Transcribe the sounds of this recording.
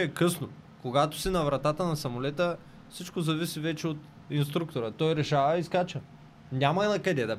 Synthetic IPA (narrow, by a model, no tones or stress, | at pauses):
ɛɛkɤsno | koɡat̪o̥sinɐvɾɐt̪at̪ənɐsɐmolɛt̪ə | fsit͡ʃkozɐvisivɛt͡ʃɛot̪ | inst̪ɾuk̚t̪oɾət̪ɔjɾɛʃavɐiskat͡ʃə | nʲamɐinɐkɐd̪ɛd̪ɐ